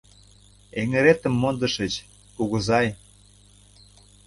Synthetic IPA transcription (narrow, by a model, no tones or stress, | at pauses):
eŋĕɾet̪ə̆mːond̪ɤ̆ʃə̆t͡ɕ | kuɣɤ̆zɑj